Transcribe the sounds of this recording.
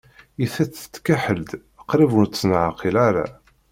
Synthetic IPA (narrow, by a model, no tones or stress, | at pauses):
iθæt͡sə̥t̪ːkæħəld̪ | əqɾivunt̪snʕaqʰilaɾa̰